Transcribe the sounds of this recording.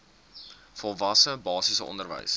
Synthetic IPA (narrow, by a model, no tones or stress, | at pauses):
fɔlˠvɐsəbɑːsisəɔ̰ndərvə̰js